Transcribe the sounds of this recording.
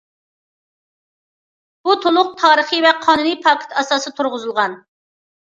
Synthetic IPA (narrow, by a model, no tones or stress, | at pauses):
b̥ut̪ʰolˠʊq̚t̪ʰɑːɾəχivɛqʰɑːnunipʰɑkʲʰɪ̥t̪ʰɑsɑːsɨt̪ʰuɾʁʊzɨlˠʁɑn